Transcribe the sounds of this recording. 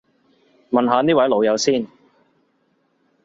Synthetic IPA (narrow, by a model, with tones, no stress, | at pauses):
mɐ˨nɦaː˨˧niː˥wɐ˨˥jlo˨˧wjɐ˨˧wsiː˥˩n